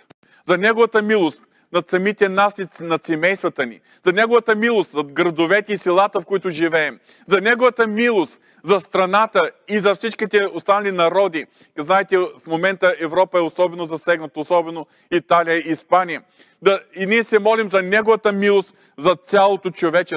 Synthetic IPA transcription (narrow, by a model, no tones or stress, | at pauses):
zɐnɛɡovɐt̪əmilˠost̪ | nɐt̪sɐmit̪ɛnasinɐt̪sɛmɛjst̪vɐt̪ənḭ | zɐnɛɡovɐt̪əmilˠost̪zɐɡɾɐd̪ovɛt̪ɛisʲilˠat̪əfkoit̪ʊʒivɛːm | zɐnɛɡovɐt̪əmilˠost̪ | zɐst̪ɾɐnat̪əizɐfsit͡ʃkit̪ɛost̪anɐlʲinɐɾɔd̪i | znaɛt̪ɛfmomɛnt̪əʔɛvɾɔpəɛosɔbɛnozɐsɛɡnɐt̪ɐosɔbɛno | it̪alijəiːspanijə | d̪ɐinʲiɛsɛmɔlimzɐnɛɡʊvɐt̪əmilˠost̪ | zɐt̪sʲalˠot̪ot͡ʃovɛt͡ʃɛ